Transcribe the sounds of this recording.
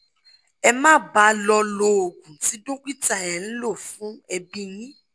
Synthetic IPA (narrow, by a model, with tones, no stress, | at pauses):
ɛ˧mãː˦˨ba˨˦lɔ˧lo˧˨ɡũ˨ti˨˦do˦ki˦ta˧˨ɛ˨n̩˦lo˦˨fũ˨˦ɛ˧bĩ˦jĩ˦